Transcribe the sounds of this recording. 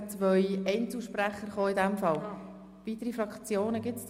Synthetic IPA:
t͡sʋœʏɛɪnt͡sl̩ˠʃpræχəɾχoːɪd̪ɛmfɑl | vit̪əɾifɾɑkt͡sjoːnəɡɪt͡s

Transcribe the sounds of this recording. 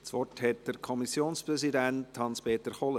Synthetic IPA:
sʋɔthɛt̚d̥əɾkʰɔmisjoːnspɾɛsidænthɑnspeːt̪əχɔlə

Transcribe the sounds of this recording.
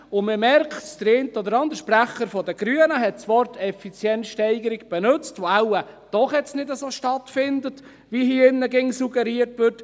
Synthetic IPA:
ʊnmɪmɛɾkʰtsd̥̪əɾeːntəɔd̪əɾɑnd̪əɾʃpɾæχəɾfɔd̪əɡ̥ɾyənəɦɛtsʋɔɾtʰɛfit͡sjɛntʃtɛɪɡəɾɪɡb̥ɛnɵt͡stʋoaʊəd̥ɔχɛtt͡snɪdəsoːʃtɑtfɪnd̪ət | ʋihiːɪnːəɡɪŋsuɡɛɾiəɾtʋɪɾt

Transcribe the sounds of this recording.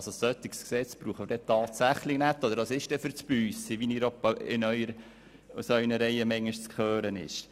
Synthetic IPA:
sossœt̪ːɪksksɛt͡sb̥ɾuːχəməɾdɛt̪ɑːtsæχlɪnæt̪ːɔd̪əɾdɑsɪʃtɛfʏɾt͡spyːsiʋiniːɾopɪ̰nœʏəɾ | usœʏnəɾɛjəmɛŋːɪʃt͡skʰχøːɾənɪ̰ʃ

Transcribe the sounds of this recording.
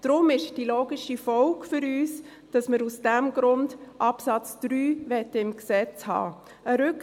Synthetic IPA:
d̥ɾʊmɪʃd̥iloːɡɪʃifɔʊkfʏɾyːs | d̥ɑsməɾusd̥æmɡɾʊndʔɑpsɑt͡sd̥ɾyːʋɛtːəɪmksɛt͡shɑ̰ː | əɾʏk

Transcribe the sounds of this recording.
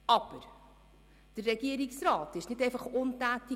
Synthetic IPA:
ɑb̥əɾ | d̥ərːɛɡiəɾiksɾɑːtɪʃnɪdɛjfɑχontæːti

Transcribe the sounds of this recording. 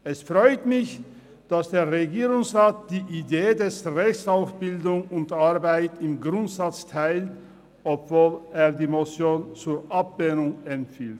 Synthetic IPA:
ʔɛsfʁ̥ɔʏtmɪç | d̥asd̥eːɐʁeɡiːʁʊŋsʁaːt̚d̥iːʔideːdɛsʁɛçsaʊsb̥ɪldʊŋʊntʔaɐbaɪtɪmɡʁʊntz̥at͡stʰaɪlt | ʔɔpv̥oːleːɐdiːmot͡sjoːnt͡suːɐʔap̚benʊŋɛmfiːlt

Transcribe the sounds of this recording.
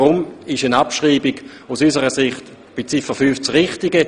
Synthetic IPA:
ʁʊmɪʃənapʃʁiːbiɡ̥ | usysəʁəsɪχt | b̥ɪt͡sifəfyːft͡sʁɪχtɪɡə

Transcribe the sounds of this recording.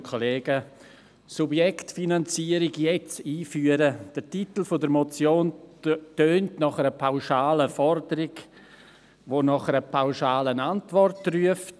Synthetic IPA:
kʰoleːɡ̥ə | subjɛktfinant͡siːəɾɪɡjɛt͡siːfyːəɾəd̥ətitl̩fodəɾmɔt͡sjoːntøːntnɔχəɾəpʰaʊʃaːləfɔrdəɾɪɡ | ʋoːnɔχəɾəpʰaʊʃaːlənantʋɔrtryəft

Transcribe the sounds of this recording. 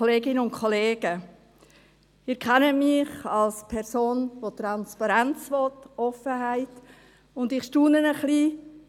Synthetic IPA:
oleːɡɪnəʊntkʰχɔleːɡ̥ə | ɪːɾkʰɛnəmɪχɑlspʰɛɾsoːnʋot̪ɾɑnspɑɾænt͡svɔtɔfəɦæɪt | ʊndɪχʃtuːnənəχliː

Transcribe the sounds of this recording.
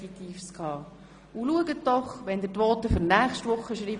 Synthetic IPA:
fit̪iːfskʰɑː | uluəɡət̚ːɔχʋɛnd̪ətʋɔːt̪əfʏɾnæːχʃtʋʊχːəʃɾiːb

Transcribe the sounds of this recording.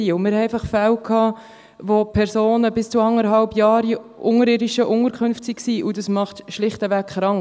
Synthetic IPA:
iːʊmɪɾhɛɛɪfɑχfæwkʰːɑː | vopʰɛɾsoːnəbɪst͡suɑŋəɾɦɑlbjɑːɾiʔʊŋəɾɪːdiʃəʔʊŋəɾkχʏnftsiksiːʔʊdɑsmɑχtʃlɪχtəvækχɾɑŋ

